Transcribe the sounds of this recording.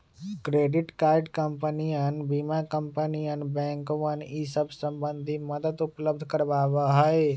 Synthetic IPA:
kɾeːɖɪʈkaːɪɖkəmpənijənbiːmakə̃mpənijənbɛ̃ːŋkʋənisəbsə̃mbə̃nd̪ʱiməd̪əd̪ʊpləb̚d̪ʱkəɾbaːʋaɦəe

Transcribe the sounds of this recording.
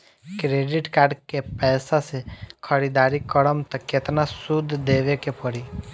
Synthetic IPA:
kɾeɖɪʈkaːɾɖkepɛːsasekʰəɾid̪aɾikəɽəmt̪aket̪nasud̪ʱd̪eʋekepəɽi

